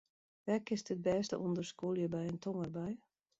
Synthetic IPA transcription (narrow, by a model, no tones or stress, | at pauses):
ʋɛkɪstət̚bɛːstə̰ʔundərskuljəbɛjəntʰɔŋərbɛj